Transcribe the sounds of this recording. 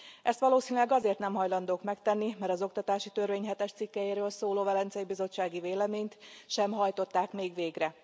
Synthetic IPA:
ʔɛst̪ʋɒloːsiːnylɛɡɒzeːrt̪nɛmɦɒjlɒn̪d̪oːkmɛkt̪ɛnːimɛɾɒzo̞kt̪ɒt̪aːʃit̪ørʋeːɲɦɛt̪ɛʃt̪sikːɛjeːɾøːlsoːloːvɛlɛnt̪sɛjibizo̞t͡ʃːaːɡiveːlɛmeːɲt̪ʃɛmɦɒjt̪o̞t̪ːaːkmeːɡʋeːɡrɛ

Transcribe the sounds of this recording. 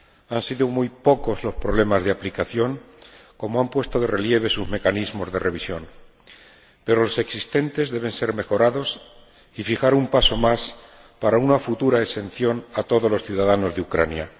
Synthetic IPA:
ansiðomujpo̞ko̞zlo̞spɾo̞βle̞mazð̞eaplikaθjo̞ŋ | ko̞moampwe̞st̪o̞ðe̞re̞lje̞β̞e̞suzme̞kanizmo̞zðe̞reβ̞isjo̞̰n | pe̞ɾo̞lo̞se̞ksist̪e̞nt̪e̞zðe̞β̞e̞nse̞ɾme̞xo̞ɾaðo̞s | ifixaɾumpaso̞mas | paɾaunafut̪uɾaese̞nθjonat̪o̞ðo̞zlo̞sθjuðaðano̞zðeukɾa̰nja̰

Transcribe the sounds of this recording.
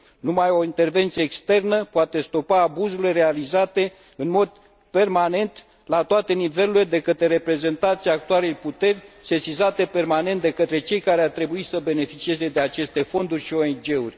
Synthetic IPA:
numajo̞int̪e̞rve̞nt̪sijeːkst̪e̞rnəpoat̪e̞st̪o̞paːbuzulere̞alizat̪e̞ | ɨnmo̞d̪ | pe̞rmane̞nt̪ | lat̪oat̪e̞nive̞luled̪e̞kət̪ɾeɾe̞pɾe̞ze̞nt̪ant̪siaːk̚t̪ualejput̪e̞rʲse̞sizat̪e̞pe̞rmane̞nt̪d̪e̞kət̪ɾe̞t͡ʃe̞jkaɾeart̪ɾe̞buisəbe̞ne̞fit͡ʃie̞ze̞d̪e̞at͡ʃe̞st̪e̞fo̞nd̪urʲʃio̞end͡ʒe̞urʲ

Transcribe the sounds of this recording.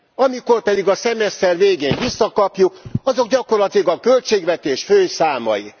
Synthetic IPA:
ɒmiko̞rpɛd̪iɡɒsɛmɛst̪ɛrveːɡeːnvisːɒkɒpjukɒzo̞ɡɟɒko̞rlɒt̪ilɒɡɒkø̞lt͡ʃeːɡvɛt̪eːʃføːsaːmɒ̰jḭ

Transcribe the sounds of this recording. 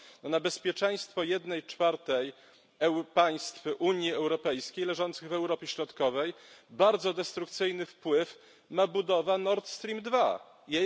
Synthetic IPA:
nɔnabɛspʲjɛt͡ʂɛj̃st̪fɔjɛd̪nɛjt͡ʂfaɾt̪ɛj | ɛpaj̃st̪fʔuɲjiɛwɾɔpɛjskʲejlɛʐɔnt̪sɘɣvɛwɾɔpʲjɛɕɾɔt̪kɔvɛjbaɾd̪zɔd̪ɛst̪ɾuk̚t̪sɘjnɘfpwɘf | mabud̪ɔvanɔɾt̪st̪ɾʲimd̪va | jɛ

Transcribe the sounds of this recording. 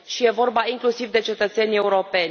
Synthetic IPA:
ʃije̞vo̞rbaiŋklusivd̪e̞t͡ʃe̞t̪ət̪se̞nʲe̞uɾo̞pe̞nʲ

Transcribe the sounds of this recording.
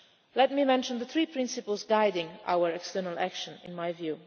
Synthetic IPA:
lɛt̚mimɛ̃nʃə̃nðəθɹiːpʰɹɪ̃nsɪpəlˠzɡaɪdɪ̃ŋʔa̰ʊəɹɛkstɜ˞nəlˠækʃə̃nɪ̃nmajvjʉː

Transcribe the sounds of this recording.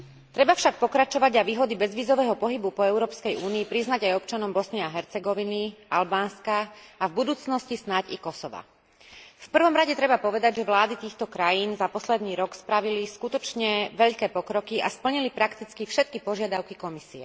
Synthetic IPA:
t̪ɾɛbafʃak̚pɔkɾat͡ʃɔʋaɟaʋiːɦɔd̪ibɛzʋiːzɔʋɛːɦɔpɔɦibupɔɛʊɾɔːpskɛjuːniːpɾiznaɟajɔpt͡ʃanɔmbɔsniɛaɦɛɾt͡sɛɡɔʋinialbaːnskaavbud̪uːt͡snɔscisnacikɔsɔʋa̰ | fpr̩ʋɔmɾaɟɛt̪ɾɛbapɔʋɛd̪aɟʒɛʋlaːd̪it̪iːxt̪ɔkɾajiːnzapɔslɛd̪niːɾɔkspɾaʋiliskut̪ɔt͡ʃɲɛʋɛʎkɛːpɔkɾɔkia̰spl̩ɲilipɾakt̪it͡skifʃɛt̪̚kipɔʒɪad̪aʊkikɔmisiɛ

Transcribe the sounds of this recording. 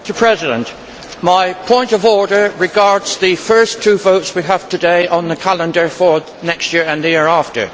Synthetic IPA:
təpʰɹ̥ɛzɨɾɨ̰̃nʔ | maɪpʰɔ̃ɪ̃ntʌvɔɹɾə˞ɹɨɡɑɹdz̥ðɨfɜ˞stʰʉvoʊtswiəv̥tʰɨdeɪʔə̃nðɨkʰælˠə̃ndə˞fə˞ | nɛkstjɪɹɨ̃nðjɪɹæftə̰˞

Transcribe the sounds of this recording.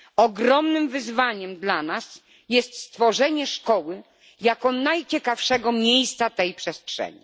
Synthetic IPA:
ɔɡɾɔmnɘmvɘzvaɲɛmd̪lanas | jɛst̪st̪fɔʐɛɲɛʂkɔwɘ | jakɔnajt͡ɕɛkafʂɛɡɔmʲjejst̪sat̪ɛjpʂɛstʂɛ̰ɲḭ

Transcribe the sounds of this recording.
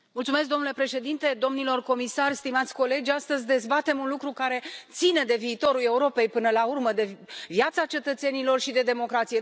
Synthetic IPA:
mult̪sume̞s̬kd̪o̞mnule̞pɾe̞ʃe̞d̪int̪e̞d̪o̞mnilo̞rko̞misarʲst̪imat̪sʲko̞le̞d͡ʒʲast̪əzʲd̪e̞zbat̪e̞munlukɾukaɾe̞t̪sine̞d̪e̞viːt̪o̞ɾule̞uɾo̞pe̞jpɨnəlaurməd̪e̞viat̪sat͡ʃe̞t̪ət̪se̞nilo̞rʃid̪e̞d̪e̞mo̞kɾat̪sije

